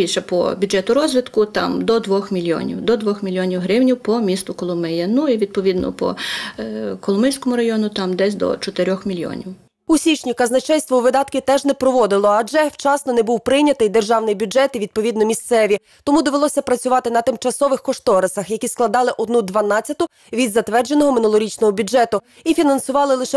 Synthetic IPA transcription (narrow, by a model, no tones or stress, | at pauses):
bʲilʲʃɛpɔ̰bʲʊd͡ʒɛt̪ʊɾɔzʲʋʲɪt̪kʊt̪ɑ̰md̪ɔd̪ʋɔxmʲilʲjɔ̰nʲḭwd̪ɔd̪ʋɔxmʲilʲjɔnʲiwɦɾɪwnʲiwpɔmʲist̪ʊkɔlˠʊmɛjɐnuiʋʲid̪̚pɔʋʲid̪nɔ̰pɔ̰ | kɔlˠʊmɪjʲsʲkɔmʊɾɐjɔnʊt̪ɑmd̪ɛsʲd̪ɔ̰t͡ʃɔt̪eɾʲɔxmʲilʲjɔ̰nʲiw | usʲit͡ʃnʲikɐznɐt͡ʃɛjʲst̪ʋɔʋɪd̪ɑt̪kɪt̪ɛʒnɛpɾɔʋɔd̪ɪlˠɔɐd͡ʒɛwt͡ʃɑsnɔnɛbuwpɾɪjnʲɐt̪ɪjd̪erʒɑwnɪjbʲʊd͡ʒɛt̪iʋʲid̪̚pɔʋʲid̪nɔmʲist̪sɛʋʲi | t̪ɔmud̪ɔʋelˠɔsʲɐpɾɐt͡sʲʊʋɑt̪ɪnɐt̪ɪmt͡ʃɐsɔʋɪxkɔʃt̪ɔɾesɐxjɐkʲisklˠɐd̪ɑlˠɪʔɔd̪nud̪ʋɐnɑt͡sʲɐt̪ʊ | ʋʲid̪zɐt̪ʋɛrd͡ʒenɔɦɔmɪnulˠɔɾʲit͡ʃnɔɦɔbʲʊd͡ʒɛt̪ʊ | ifʲinɐnsʊʋɑlˠɪlˠɪʃɛ